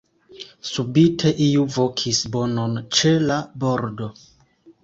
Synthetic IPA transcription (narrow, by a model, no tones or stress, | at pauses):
subitʰe̞ʔiuvo̞kʰisbo̞no̞nt͡ʃe̞labo̞ɾdo̞